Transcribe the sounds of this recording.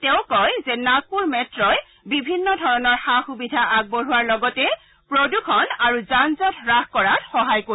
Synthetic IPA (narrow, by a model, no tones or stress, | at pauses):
tɛʊ̃kɔjzɛnakuɹmɛtɹɔj | bibʱinːɔdʱɔɹɔnɔɹxaxubidʱaʔaɡ̚boɹuwaɹlɔɡɔtɛ | pɹodukʰɔnaɹuzanzɔtɹaxkɔɹatxɔɦajko